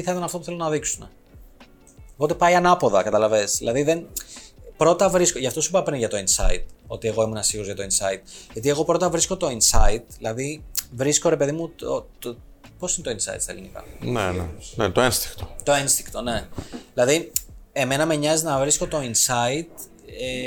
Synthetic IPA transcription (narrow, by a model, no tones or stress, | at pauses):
iθɐit̪ɐnɐft̪o̞puθelonɐðiksune | opo̞t̪e̞pɐiɐnɐpo̞ðɐkɐt̪ɐlɐve̞sðilɐðiðen | pɾo̞t̪ɐvɾiskoʝɐft̪o̞su̥pɐpɾinʝɐt̪o̞insɐ̰ḭt̪̚o̞̰t̪ie̞ɣo̞imunɐsiɣozʝɐt̪oinsɐit̪̚ʝɐt̪ie̞ɣo̞pɾot̪ɐvɾisko̞t̪o̞insɐit̪ðilɐðivɾisko̞ɾe̞pe̞ðimuo | po̞sinet̪oinsɐ̰ḭt̪sɐ̰ḛlinikɐ̰nḛnḛnet̪oenst̪i̥ŋkt̪ot̪o̞enst̪iŋkt̪one̞ðilɐðie̞me̞nɐme̞ɲɐziznɐvɾiskot̪o̞insɐit̪ | e